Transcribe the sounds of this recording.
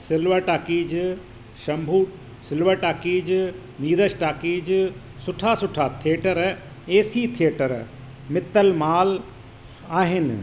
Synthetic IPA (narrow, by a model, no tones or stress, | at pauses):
sɪlʋəʈaːkiːd͡ʒ | ʃɐ̃mbʱuː | sɪlʋəʈaːkiːd͡ʒ | niːd̪əʃʈaːkiːd͡ʒ | sʊʈʰasʊʈʰat̪ʰieːʈəɾ | eːsiːt̪ʰijeʈəɾ | mɪt̪ːəlmaːl | aːɦɪnɪ̰